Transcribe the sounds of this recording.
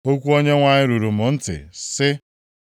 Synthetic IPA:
o˦kʷu˦o˦ɲe˦ŋʷa˨ɲɪ˦ɾu˨ɾu˨mʊ˨n̩˦tɪ̰˨sɪ˦

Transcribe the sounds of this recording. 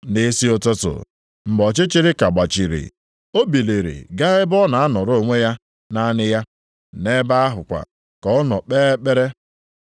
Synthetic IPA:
nɪ˦si˦o˨te˦tʊ̰˨ | m̩˨bɔ˨t͡ʃɪ˦t͡ʃɪ˦ɾɪ˦ka˨ɡ͡ba˨t͡ʃi˨ɾḭ˨ | o˦bi˨le˨ɾḭ˨ɡa˦ɣɪ˦bɔ˦na˨a˦nɔ˨ɾo˦˨ŋʷe˦ja˦ | na˦nɪ˦ja˦ | ne˦ba˦a˦ɦʊ˨kʷa̰˨ | kɔ˨˦ɔ˦nɔ˨k͡pe˦e˦k͡pe˦ɾe˦

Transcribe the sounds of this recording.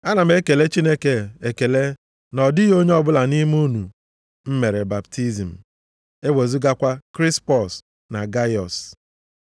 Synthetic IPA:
a˦na˨m̩˦e˦ke˨le˦t͡ʃi˦ne˦ke˨e˨ke˨le˦ | nɔ˨dɪ˦jo˦ɲe˦ɔ˦bʊ˦la˨ni˦m˦u˦nu˨ | m̩˦me˨ɾe˨ba˨ptʰi˦zi˨m̩˨ | e˦we˨zu˦ɡa˦kʷa˦kɾi˦spɔ˨s | na˨ɡa˦jɔ˨s

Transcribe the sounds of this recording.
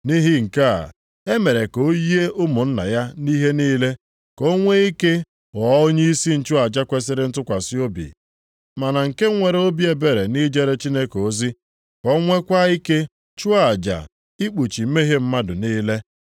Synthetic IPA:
ni˦ɦi˦ŋ̩˨ka̰˦˨ | e˦me˨ɾe˨ko˨o˦ji˦e˦ʔʊ˦mʊ˨n̩˦na̰˨ja˦ni˦ɦe˦niː˦le˦ | ko˦ŋʷe˦i˦ke˦ | ɔ˨˦o˦ɲe˦i˦si˦n̩˦t͡ʃu˦a˨d͡ʒa˦kʷe˦s̬ɪ˦ɾɪ˦n̩˦tʊ˦kʷa˨si˦o˦bḭ˨ | ma˨na˨ŋ̩˨ke˦ŋʷe˨ɾe˨˦o˦bi˦e˨be˨ɾe˨ni˦d͡ʒe˦ɾe˦t͡ʃi˦ne˦ko˨˦zi˦ | kɔ˦ŋʷe˦kʷa˦i˦ke˦ | t͡ʃu˦a˨d͡ʒa̰˨ | i˦k͡pu˨t͡ʃi˨m̩˦me˦ɦe˦m̩˦ma˦dʊ˨niː˦le˦

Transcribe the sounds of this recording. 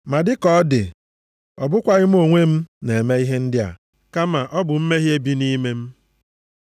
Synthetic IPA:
ma˨dɪ˦kɔ˦dɪ̰˨ | ɔ˨bʊ˦kʷa˦ɣɪ˦m̩˦o˦˨ŋʷe˦m̩˦ne˨e˨me˦i˦ɦe˦n̩˦dɪ˦a̰˨ | ka˦ma˨ʔɔ˦bʊ˨m̩˦me˦ɦje˦bi˦ni˦me˦m̩˦

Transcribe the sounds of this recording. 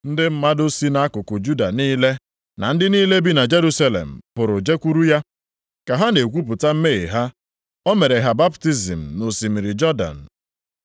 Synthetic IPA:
n̩˦dɪ˦m̩˦ma˦do˦si˦na˦a˦kʊ˨kʊ˨d͡ʒu˦da˨niː˦le˦ | na̰˨n̩˦dɪ˦niː˦le˦bi˦na˨d͡ʒe˦ɾu˦sa˦lḛ˨m̩˨pʊ˨ɾʊ˨d͡ʒe˦kʷu˦ɾu˦ja˦ | ka˨ɦa˦ne˨kʷu˦p̬ʊ˨ta˦m̩˦me˦e˨ɦa˦ | ɔ˦me˨ɾe˨ɦa˨ba˦pti˦zḭ˨m̩˨no˨si˨mi˨ɾi˨d͡ʒɔ˦da̰˨n̩˨

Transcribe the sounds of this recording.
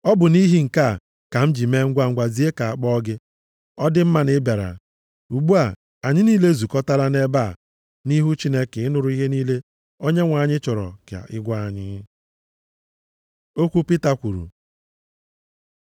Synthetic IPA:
ɔ˦bʊ˨ni˦ɦi˦ŋ̩˨ka˦˨ | ka˨m̩˦d͡ʒi˨me˦ŋ̩˦ɡʷa˦ŋ̩˦ɡʷa˨zi˨˦e˦ka˨a˨k͡pɔ˦ɔ˦ɡɪ˦ | ɔ˦dɪ˦m̩˦ma˦nɪ˦be˨ɾa̰˨ | u˨ɡ͡bu˦a˨ | a˨ɲɪ˦niː˦le˦zu˨kɔ˦ta˦la˦ne˦ba˦˨ | ni˦ɦu˦t͡ʃi˦ne˦ke˨ɪ˦nʊ˨ɾʊ˦i˦ɦe˦niː˦le˦ | o˦ɲe˦ŋʷa˨ɲɪ˦t͡ʃɔ˨ɾɔ̰˨kja̰˨ʔɪ˦ɡʷa˦a˨ɲɪ˦ | o˦kʷu˦pi˦ta˦kʷu˨ɾṵ˨

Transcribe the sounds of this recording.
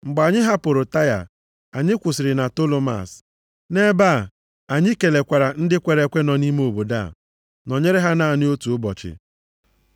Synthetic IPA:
ŋ͡m̩˨ɡ͡ba˨ɲɪ˦ɦa˦pʊ˨ɾo˨ta˦ja̰˨ | a˨ɲɪ˦kʷʊ˨sɪ˨ɾɪ˨na˨to˦lo˦ma̰˨s | ne˦ba˦˨ | a˨ɲɪ˦ke˨le˨kʷa˨ɾa˨n̩˦dɪ˦kʷe˨ɾe˨kʷe˦nɔ˨ni˦me˦o˨bo˨da̰˦˨ | nɔ˨ɲe˦ɾɪ˦ɦa˦na˦˨nɪ˦o˦tu˨ʊ˦bɔ˨t͡ʃɪ̰˨

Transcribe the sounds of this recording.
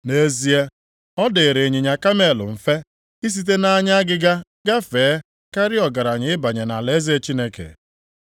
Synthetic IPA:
ne˦zi˦e˦ | ɔ˦de˨e˨ɾe˨ɲɪ˨ɲa˨ka˦me˨lʊ̰˨m̩˨fe˦ | i˦s̬i˦t̬e˦na˦ɲa˦a˦ɡɪ˦ɡa˦ | ɡa˦feː˨˦ | ka˦ɾɪ˦ɔ˨ɡa˨ɾa˨ɲɪ˨˦ɪ˦ba˨ɲe˨na˨le˦ze˦t͡ʃi˦ne˦kḛ˨

